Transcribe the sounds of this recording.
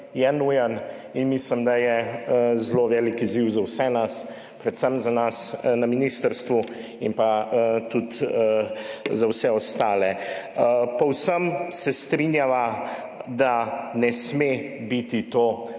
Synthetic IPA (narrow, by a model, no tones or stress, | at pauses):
jɛnujən | inmislimd̪ajɛzloʋɛːlikiziwzawsɛnas | pɾɛt̪səmzanasnɐminist̪əɾst̪ʋu | inpat̪ut̪ | zawsɛɔst̪aːlɛ | pɔwsəmsɛst̪ɾinjaʋa | d̪anɛsme | bit̪it̪o